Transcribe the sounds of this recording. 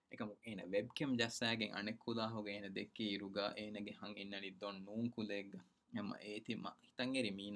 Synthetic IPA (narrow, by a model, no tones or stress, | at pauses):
ekɐmuʔeːnɐ̰ʋeb̚kemd͡ʒɐsæːɡeŋʔɐ̰nekʰːulaːɦuɡeːnɐd̪ekːiiɾuɡa̰ːʔeːnɐɡehɐŋinːɐnid̪onnuːŋkuleːɡːa | emɐ̰ʔeːt̪imɐ̰hit̪ɐŋeɾimiːn